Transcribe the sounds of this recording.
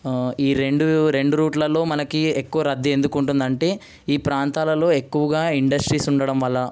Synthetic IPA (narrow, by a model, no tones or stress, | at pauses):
iːɾe̞ɳɖuɾe̞ɳɖuɾuːʈlɐlo̞ːmɐnɐkiekːuʋɐɾɐd̪ːie̞nd̪ukuɳʈund̪ɐɳʈe̞ː | iːpɾaːnt̪aːlɐlo̞ːe̞kːuʋɐɡaːiɳɖɐsʈɾiːsuɳɖɐɽɐmʋɐlːɐ